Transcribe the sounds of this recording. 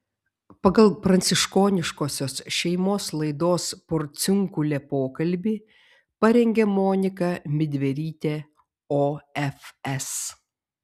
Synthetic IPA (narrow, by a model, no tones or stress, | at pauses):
pɐɡɐlˠpɾɐnʲsʲɪʃkoːnʲɪʃkoːsʲoːsʃʲɛɪmoːslˠɐɪd̪oːspɔɾʲt̪sʲʊŋkʊlʲɛpoːkɐlʲbʲiː | pɐɾʲɛŋʲɡʲɛmɔːnʲɪkɐmʲɪd̪ʲʋʲɛɾʲiːt̪ʲeː | oːɛfɛs